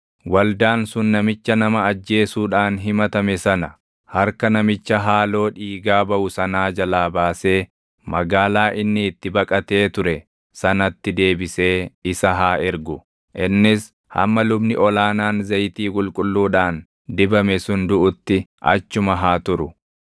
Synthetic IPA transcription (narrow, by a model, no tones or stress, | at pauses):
wɐld̪aːnsʊnːɐmɪt͡ʃːɐnɐmɐːd͡ʒːe̞ːsuːᶑaːnɦɪmɐt̪ɐmɛsɐnɐ | hɐɾkɐnɐmɪt͡ʃːɐɦaːlo̞ːᶑiːɡaːbɐʔʊsɐnaːd͡ʒɐlaːbaːse̞ː | mɐɡaːlaːʔɪnːɪːt̪ːɪbɐkʼɐt̪e̞ːt̪ʊɾɛ | sɐnɐt̪ːɪd̪e̞ːbɪse̞ːɪsɐɦaːʔɪɾɡʊ | ʔɪnːɪs | hɐ̰mːɐlʊbnɪʔɔlaːnaːnzɐjt̪iːkʼʊlkʼʊlːuːᶑaːn | d̪ɪbɐmɛsʊnd̪ʊʔʊt̪ːɪʔɐ̰t͡ʃːʊmɐɦaːt̪ʊɾʊ